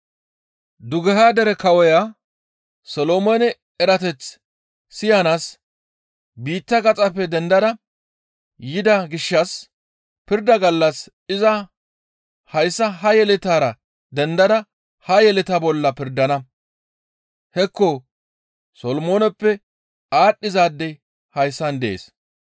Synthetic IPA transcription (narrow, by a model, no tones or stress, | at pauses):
d̪ʊɡɛɦaːd̪ɛɾɛkɐwɔja | sɔloːmonɛ | ɛɾɐt̪ɛt͡sː | ɪjanas | biːt̪ːɐɡɐt͡sʼɐpːɛd̪ɛnd̪ɐd̪ɐ | jɪd̪ɐɡɪʃːɐs | pɪɾd̪ɐɡɐlːɐs | ɪzɐ | hɐjsːɐɦɐjɛlɪt̪aːɾɐ | d̪ɛnd̪ɐd̪ɐ | hɐjɛlɪt̪ɐbɔlːɐpɪɾd̪ɐnɐ | hɛkːɔ | sɔlɔmoːnɛpːɛ | aːɗːɪzaːd̪ːɛ | hɐjsːɐnd̪ɛʔḛːs